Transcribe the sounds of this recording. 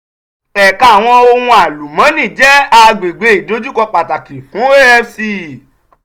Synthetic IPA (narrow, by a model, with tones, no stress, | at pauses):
ɛ˨ka˨w̃ɔ̃˧o˧wũ˧a˨lu˨mã˨˦nĩ˦˨d͡ʒɛ˦a˧ɡ͡be˨ɡ͡be˧˦i˨do˨˧˦d͡ʒu˦kɔ˧k͡pa˨ta˨ki˨fũ˨˦e˦ɛ˦fsi˧˨